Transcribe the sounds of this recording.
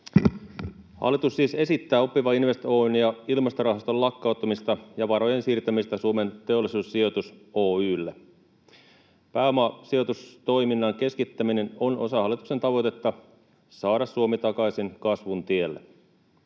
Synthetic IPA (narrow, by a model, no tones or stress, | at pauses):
hɑ̰lːˑit̪usːiːse̞sit̪ːæːo̞pːiʋɑinʋe̞st̪onjɑilmɑst̪orɑɦɑst̪o̞llɑkːɑˑut̪ːˑɑmist̪ɑjɑʋɑɾo̞je̞nsiːrt̪æmist̪æsuome̞nt̪e̞o̞lːˑisuːsːio̞t̪uso̞ːyːlːe | pæːmɑːsio̞t̪ust̪o̞jminːɑŋk̟e̞skit̪ːæmine̞no̞no̞̰sɑhɑlːˑit̪uksent̪ɑʋo̞jt̪e̞t̪ːɑ | sɑːɾɑsːuomit̪ɑkɑjsinkɑsʋunt̪ie̞lːḛ